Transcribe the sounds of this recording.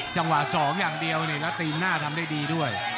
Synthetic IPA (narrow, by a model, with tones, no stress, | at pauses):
t͡ɕa˧ŋwa˨˩sɔː˩˦ŋjaː˨˩ŋdi˧əwni˧˩lɛː˦˥wt̪iː˧mnaː˥˩t̪ʰa˧mdaː˥˩jdiː˧du˥˩əj